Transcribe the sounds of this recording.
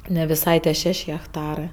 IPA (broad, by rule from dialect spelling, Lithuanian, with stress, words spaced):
nʲɛ ʋʲɪˈsɐɪ tʲiɛ ˈʃʲɛʃʲ ɣʲɛkˈtɑːrɜ